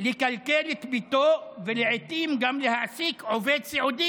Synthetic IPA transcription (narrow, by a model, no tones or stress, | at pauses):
lɪkalkelɪtbit̪oːvɪlɪʕɪt̪iːmɡamlɪhaʕsiːkʕoveːd̪saʕuːd̪i